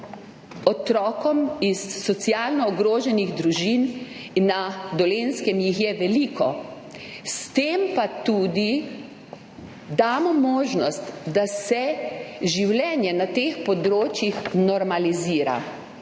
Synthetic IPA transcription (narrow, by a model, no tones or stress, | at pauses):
ɔt̪ɾɔːkɔmisːɔsjaːlnɔːɡɾoːʒɛniɣd̪ɾuʒin | nːad̪ɔlenskɛmjixjɛʋɛlikʰɔ | st̪empat̪uːd̪i | d̪aːmɔmɔːʒnɔst̪d̪asɛʒiwlʲɛːnjɛnat̪eːxpɔd̪ɾoːt͡ʃjixnɔɾmaliziːɾa̰